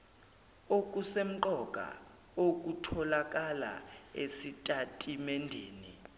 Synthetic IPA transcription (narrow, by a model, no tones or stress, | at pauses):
ok̬ʼusem̩ǃɔkʼa̰ | ok̬ʼutʰɔlak̬ʼala̰esitʼatʼimɛndʱeːni